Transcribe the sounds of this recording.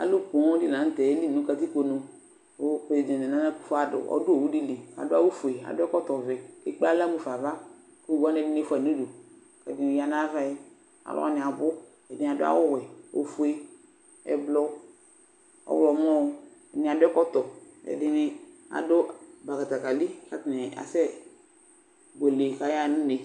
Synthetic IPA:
a̰˨lʊ˦ko˨˦ɔ̃˦di˦nã˨˦n̩˦t̪ɛ˨e˦li˦˨nõ˨˦ka˨t̪i˦ko˨nõ˨ | o˦ke˨le˨d͡ʒẽ˨de˨nã˦nã˦ku̥˦fo˦a˨dʊ̰˨ɔ̰˦dʊ˦o˨wu˦di˦li˨a̰˨dʊ˦a˦wo˦fu˨e˨a̰˨dʊ˦ɛ˦kɔ˦t̪ɔ˨vɛ˨e˨k͡pa˦la˦mu˨fa˨va˦ | ku˦ɡɔ˦nɛ˦dɪ˦ne˦fa˨nũ˦do˨ | ka˨di˨n˨ja˨nã˦va˦e˦ | a̰˨lo̰˦a̰˨nɪ̃˨a˨bʊ˦ | ɛ˨dɪ˦˨a˨dʊ˦a̰˦wʊ˦wɛ˨o̰˨˦fu˦e˦ | ɛ̰˨blɔ˦ | ɔ̰˨wlɔ˨m˦ɔ˦o˨ɛ˨nɪ̃˨a˨dʊ˦ɛ˦kɔ˦t̪ɔ˨ɛ̰˨dɪ˨nɪ˦ | a̰˨dʊ˦ba˨ka˨t̪a˨ka˨li˦ka˦tnɛ˨a̰˨sɛ˦ | ɡo˨le˨ka˨ja˦˨nʊ̃˦e˨

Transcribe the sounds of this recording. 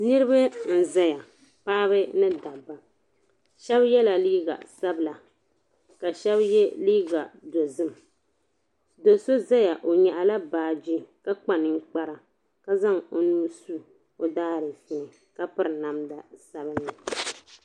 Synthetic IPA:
nɨ˦ɾɨ˦ba˦n̩˦za˦ja˨ | paː˦βɨ˦nɨ˦da˨ba˨ | ʃɛ˦bjɛ˦la˨liː˦ɡa̰˨sa˦bla˨ | ka˨ʃɛ˦bjɛ˦liː˦ɡa˨do˨zɨ˦m˨ | do˨so˦za˦ja˨ʔo˨ɲɛ˨ʔa˨la˦baː˨d͡ʒi˦ka˦k͡pa˨nɨ˨ŋ̩˦k͡pa˦ɾa˨ | ka˦za˦ŋo˦nuː˦su˦ | o˦daː˦ɾɨ˨fɪ˨nɨ˨ | ka˦pɨ˦ɾɨ˨na˨mda˨sa˦bɨ˦nːɨ˨

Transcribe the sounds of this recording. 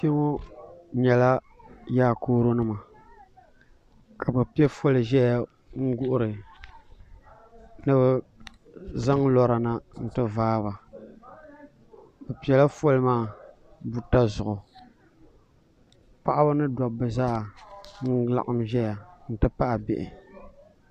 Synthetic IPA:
pe˦o˦ɲɛ˨la˦ | jaː˦˨koː˦ɾo˦nɨ˦ma˨ | ka˨bɨ˨pi˦ɛ˦fo˦lɨ˨ʒɛ˦ja˨ | ŋ̩˦ɡʊ˦ʔʊ˦ɾɨ˨ | nɨ˦bɨ˦ | za˦ŋlɔ˦ɾa˨na˦n̩˨tɨ˦vaː˦βa˨ | bɛ˨pi˨ɛ˨la˦fo˦lɨ˦maː˦˨ | bu˨ta˦zʊ˨ʊ˨ | pa˦ʔa˦bɨ˦nɨ˦dɔ˨bɨ˨zaː˦˨n̩˦la̰˦ʔa˦mʒɛ˦ja˨n̩˦˨tɨ˦pa˦ʔa˨bɪ˨ʔɪ̰˨

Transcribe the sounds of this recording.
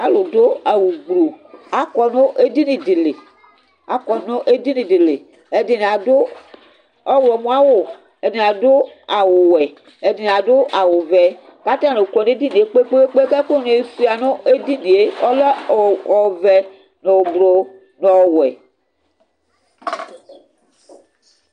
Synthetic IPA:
a˦lo˨do˦a˨wu˨ɡ͡bɾo˨a˨˦kɔ˦no˦ʔe˦di˦nĩ˨di˨le˨ | a˦kɔ˨nõ˦ʔe˦di˦nĩ˨di˨le˨ | e˦di˨n˨a˨do˦ | ɔ˦wɛ˨mũ˦a˦wo˨ | e˨˦di˨n˨a˨do˦a˨wo˨wɛ˨ | e˨di˨n˨a˨dʊ˦ʔa˨wʊ˨vɛ˨ | ka˦t̪ã˦no˨kɔ˨n˦e˦di˦nĩ˨e˦k͡pe˦k͡pe˦e˦k͡pe˦kɛ˦k͡po˦ne˨e˨˦fi˦a˨nõ˦e˦di˦nĩ˨e˦ɔ˦le˦˨ɔ˨vɛ˨ | no˨wo˨bɾo˨ | nɔ˨wɛ̰˨

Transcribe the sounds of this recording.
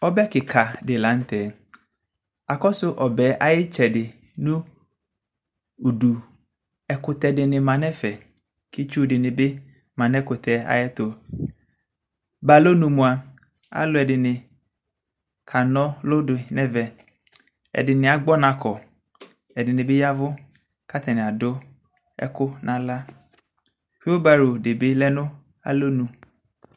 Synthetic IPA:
ɔ˦bɛ˦kɪ˨kʰa˨dɪ˨lã˨˦n̩˦tɛː˨ | a˨kɔ˦sʊ˦ʔɔ˨bɛː˨˦ʔa˦jɪ˦t͡ʃɛ˨dɪ˨ | nʊ̃˦ | u˨du˨ | ɛ˨kʊ˨tɛ˨dɪ˨nɪ̃˨mã˨nɛ˦fɛ˨ | kɪ˦t͡ʃu˦dɪ˨nɪ̃˨bɪ˦ | mã˨nɛ˦kʊ˨tʰɛ˨˦a̰˨jɛ˦tʊ˨ | ba˨lo˦nũ˨mũ˨a˨ | a̰˦lʊ˨˦ɛ˨dɪ˨nɪ̃˨ | kʰa˨nɔ̃˦lʊ˦dʊ˨nɛ̃˦vɛ˨ | ɛ̰˨dɪ˨nɪ̃˨a˨ɡ͡bɔ˦nã˨kʰɔ˨ | ɛ˨dɪ˨nɪ̃˨bɪ˦ja˦vʊ˦ | ka˦t̪ɛ˨nɪ̃˨a˨dʊ˦ | ɛ̰˦kʊ˦nʔã˨la˦ | ɸi˦o˦ba˨ɾo˨dɪ˨bɪ˦lɛ˦nʊ̃˦ | a̰˨lo˦nũ˨

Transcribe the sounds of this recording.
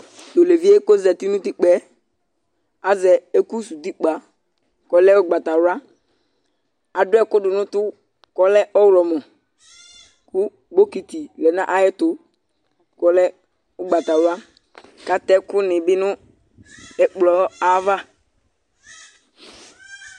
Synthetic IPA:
do˨le˨vi˦e˦ko˦zɛ˨t̪i˦nʊ̃˦ti˦k͡pɛ˨˦ | a˨zɛ˨e˦ku˦su˨d̪i˦k͡pa˨ | kɔ˨lɛ˦ʊ˦ɡ͡ba˨t̪a˨ɾʊ˦a˦ | a˨dʊ˦ɛ˦kʊ˦dʊ˨nʊ̃˦tʊ˦ | kɔ˨lɛ˦ɔ˦wɾɔ˨mɔ˨ | kʊ˦ | ɡ͡bo˦ki˨t̪i˨lɛ˨nã̰˦ʔa˨˦jɛ˦tʊ˦ | kɔ˨lɛ˦ | ʊ˦ɡ͡ba˨t̪a˨wa˦ | ka˨t̪ɛ˦kʊ˦nɪ̃˨bɪ˦nʊ̃˦ | ɛ˨k͡plɔ˨˦a˦va˦

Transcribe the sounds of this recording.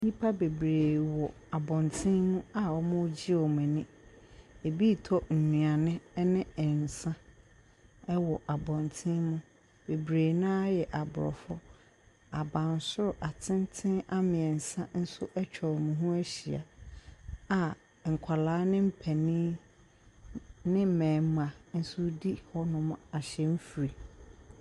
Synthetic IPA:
ɲĩ˦pʰa˦be˨bɾeː˨wɔ˨a˨bɔ̃˨ntʰɪ̃˦nmũ˦a˨ɔ˦mʊ̃˦d͡ʑi˦ɔ˨mɛ̃˨nɪ̃˦ | e˨bi˦˨tʰɔ˦n̩˨nũ˨a˨nɪ̃˦nɪ̃˦˨n̩˨sã˦ | ɛ˦wɔ˨ʔa˨bɔ̃˨ntʰɪ̃˦mũ˦ | be˨bɾeː˨nã˦a˦jɛ˨ʔa˨bʊ˨ɾɔ̰˨fɔ˦ | a˨bã˨n˨sʊ˦ɾʊ˨ʔa˨tʰɪ̃˦ntʰɪ̃˦a˦mɪ̃˨ɛ˨n̩˨sã˦n̩˦sʊ˦ʔɛ˦t͡ɕᶣʰɔ˨ɾmʊ̃˨ɦʊ̃˦æ˦ɕi˨a̰˨ | a˨ | ŋ̩˨kʷʰa˨laː˨˦nɪ̃˦m̩˦pʰɛ˨nĩː˦ | nɪ̃˦m̩˦mɛ̃ː˨m˦˨a˨n̩˦sʊ˦di˦hɔ˦nʊ̃˦m˦a˨ɕɛ˦m̩˦fu˨ɾi˨

